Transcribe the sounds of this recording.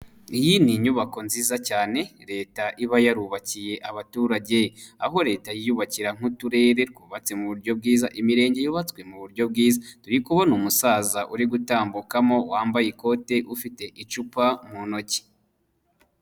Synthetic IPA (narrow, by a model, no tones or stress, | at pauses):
ijiniɲuβako̞nziːzacaːne̞ɾe̞ːtaʔiβajaɾuːβacije̞ʔaβatuːɾaɟe̞jaɦo̞ɾe̞ːtajijuβaciɾaŋ̥utuɾe̞ːɾe̞tɡuːβat͡se̞muβuɾɟo̞b̚ɡiːzaʔimiɾe̞ːɲɟe̞juβat͡skwe̞muβuɾɟo̞b̚ɡiːzatuɾikuβonumusaːzaʔuɾiɡutaːmbukamo̞waːmbajiko̞te̞ʔufite̞ʔit͡ʃupam̥uno̞ci̥